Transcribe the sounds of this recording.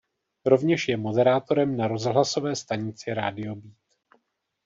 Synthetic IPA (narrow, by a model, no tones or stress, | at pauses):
ɾo̞vɲɛʃjɛmo̞dɛɾaːt̪o̞ɾɛmnaɾo̞zɦlaso̞vɛːst̪aɲɪt͡sɪɾa̰ːdɪo̞biːt̪